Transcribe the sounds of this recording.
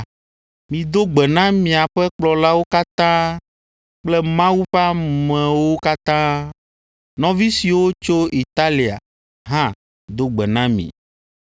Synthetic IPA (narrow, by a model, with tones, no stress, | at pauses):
mĩ˨d̪o˦ɡ͡bɛ˨nã˦mĩ˨a˨ɸɛ˦k͡plɔ˨la˦wo˦ka˦t̪ã˦ | k͡plɛ˦mã˦wu˦ɸa˦mɛ̃˨wo˦ka˦t̪ã˦ | nɔ̃˨vi˦si˨wo˦t͡ʃo˦ʔi˨t̪a˦li˨a̰˨ | ɦã˦ | d̪o˦ɡ͡bɛ˨nã˦mḭ̃˨